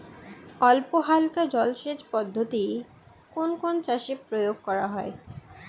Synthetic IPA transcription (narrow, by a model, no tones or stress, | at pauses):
ɔlpoɦalkad͡ʑɔlʃed͡ʑpɔd̪ʱːot̪i | konkont͡ɕaʃepɾojoɡ̚kɔɾaɦɔe